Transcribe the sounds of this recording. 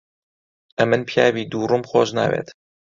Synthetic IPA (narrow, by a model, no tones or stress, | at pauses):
ʔɐmɨnpʰjaːbiːd̪uːrumxoːʒna̰ːwḛːt̪